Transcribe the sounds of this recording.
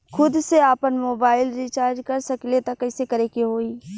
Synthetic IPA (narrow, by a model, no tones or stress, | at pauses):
xʰʊd̪seaːpənmoːbaːɪlɾiːt͡ʃaːɾd͡ʒkɐɾsɐklet̪ɐkːɐɪsekɐɾekeɦoːiː